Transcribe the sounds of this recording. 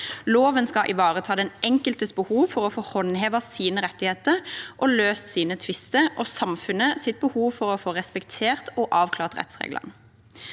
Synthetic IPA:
loːʋənskɑʔɪʋɑːʁət̪ʰɑːd̪ɛnɛŋkəlt̪əsbəhuːʋfɔʁɔfoːhɔnheːʋəsiːnəʁɛt̪ːɪheːt̪əɾʔɔløːst̪siːnət̪ʰʋɪst̪əʔɔsɑmfʉnəsɪt̪̚bəhuːʋfɔʁɔfoːʁɛspɛkt̪ʰeːʁt̪ɔʔɑːʋkʰlɑːʁt̪ʁɛ̰t̪sʁḛːɡlə̰n

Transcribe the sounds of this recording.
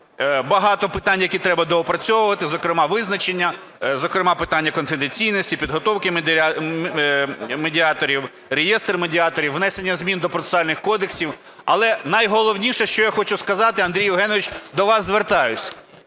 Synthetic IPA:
bɐɦɑt̪ɔpɪt̪ɑnʲːjɐkʲit̪ɾɛbɐd̪ɔɔpɾɐt͡sʲɔʋʊʋɐt̪ɪzɔkɾɪmɑʋɪznɐt͡ʃenʲːɐ | zɔkɾɪmɑpɪt̪ɑnʲːɐkɔnfed̪enʲt͡sʲijnɔsʲtʲipʲid̪ɦɔt̪ɔwkɪ | medʲiɑt̪ɔɾʲiw | ɾejɛst̪rmedʲiɑt̪ɔɾʲiwːnɛsenʲːɐzmʲind̪ɔpɾɔt̪sɑlʲnɪxkɔd̪eksʲiw | ɐlˠɛnɐjɦɔlˠɔwnʲiʃɛʃt͡ʃɔjaxɔt͡ʃʊskɐzɑt̪ɪɐnd̪ɾʲijɪɦɛnɔʋɪt͡ʃd̪ɔʋɑzzːʋert̪ɑjʊt͡sʲɐ̥

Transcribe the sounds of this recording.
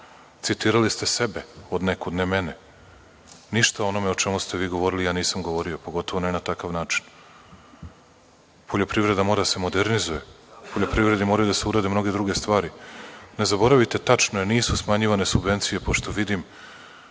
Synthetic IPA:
t̪sit̪iːɾalist̪e̞se̞beod̪nekud̪nemene | niʃt̪ao̞no̞meot͡ʃe̞must̪eʋiːɡo̞ʋo̞ɾilijaːniːsamɡoʋo̞ɾio̞po̞ɡo̞t̪o̞ʋo̞nenat̪akaʋnaːt͡ʃi̥n | pʰo̞ʎo̞pɾiʋɾe̞d̪amo̞ɾad̪ase̞mod̪eɾnizuje̞ | pʰo̞ʎo̞pɾivɾe̞d̪imo̞ːɾajud̪aseuɾaːd̪emno̞ɡe̞d̪ɾuɡe̞st̪ʋaːɾine̞zabo̞ɾaʋit̪e̞t̪at͡ʃnoeniːsusmaɲiʋane̞subʋe̞nt̪sije̞poʃt̪o̞ʋid̪im

